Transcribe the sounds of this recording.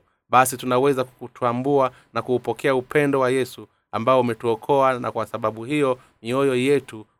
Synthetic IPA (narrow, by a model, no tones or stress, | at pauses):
ɓasitunawɛzakkutʰuambua | nakuːpɔkʰɛaupʰɛndɔwajɛsu | ambaɔumɛtuɔkʰɔana̰kwasaɓaɓuhijɔ | miɔjɔjɛtu